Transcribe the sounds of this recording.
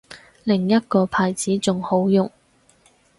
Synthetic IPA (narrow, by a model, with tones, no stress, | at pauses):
lɪ˨˩ŋjɐ˥t̚kɔː˧pʰaː˨jt͡siː˨˥t͡sʊ˨ŋho˨˥wjʊ˨ŋ